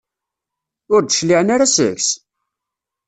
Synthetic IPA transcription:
ʊɾd̪ʃliʁnaɾasə̰ʝs

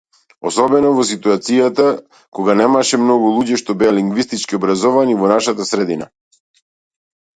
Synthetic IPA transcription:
ɔsɔbɛnɔvɔsit̪uat̪sijat̪a | kɔɡanɛmaʃɛmnɔɡulˠuɟɛʃt̪ɔbɛjaliŋɡvist̪it͡ʃkiɔbɾazɔvanivɔnaʃat̪asɾɛd̪ina̰

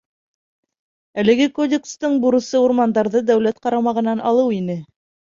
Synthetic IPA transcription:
ælɘ̆ɡɘkodʲekst̪ɤɴbuɾɤ̆sɤuɾmɑnd̪ɑɾðɤd̪æwlæt̪qɑɾɑmɑʁɤ̆nɑnɑlˠɤwinɘ

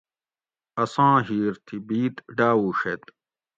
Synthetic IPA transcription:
ɐsãːɦiːɾt̪ʰibiːt̪ɖaːwuːʂet̪

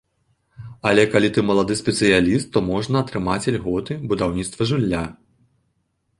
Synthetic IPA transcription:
ɐlʲɛkalʲit̪ɨmɐlˠad̪ɨsʲpʲɛt̪sɨjalʲist̪ːɔmɔʐnɐːt̪ɾɨmat͡sʲalʲɣɔt̪ɨbud̪awnʲit̪st̪vɐʐulʲːa

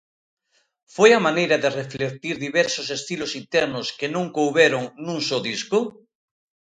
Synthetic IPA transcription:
fojamanejɾaðereflek̚t̪iɾðiβɛɾsosest̪ilosint̪ɛɾnoskenõŋkowβeɾoŋnũŋsoðisko

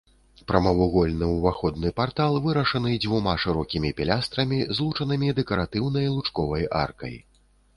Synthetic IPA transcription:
pɾɐmɐvuɣɔlʲnɨwvaxɔd̪̚nɨpart̪alˠvɨɾɐʂɐnɨd͡zʲvumaʂɨɾɔkʲimʲipʲɛlʲast̪ɾɐmʲizlˠut͡ʂɐnɨmʲid̪ɛkɐɾat̪ɨwn̪ɐjlˠut͡ʂkɔvɐja̰rkɐ̰j

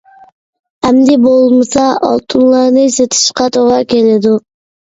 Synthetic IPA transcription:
æmd̪ibolˠmɯsɑʔɑ̰lˠt̪unlˠɑɾnɯset̪ʰɯ̥ʃqɑt̪ʰoʁɑkeled̪u

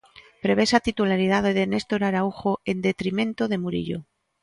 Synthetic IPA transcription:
pɾe̞β̞e̞sat̪it̪ulaɾið̞aðeðenest̪oɾaɾauxoe̞nd̪e̞t̪ɾimẽ̞nt̪oðe̞muɾḭʎo̰

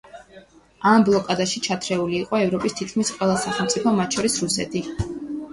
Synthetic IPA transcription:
amblˠɔkʼad̪aʃit͡ʃʰat̪ʰɾɛuliːqʼɔɛvɾɔpʼist̪ʰit̪̚kʰmisqʼwɛlˠasaχɛlˠmt̪sʼipʰɔmat̪ʃʰɔɾisɾusɛ̰t̪ʰi

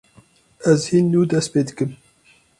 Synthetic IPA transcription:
ɛzhinːuːd̪ɛst̪peːd̪ɨkɨm

